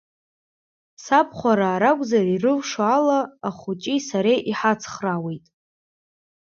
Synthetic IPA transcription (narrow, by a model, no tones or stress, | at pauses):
sapʰχʷaɾaːɾakʷʼzarirɨvʂalaːχut͡ʃʼisaɾejʔiħat͡sʰχrawe̞jtʼ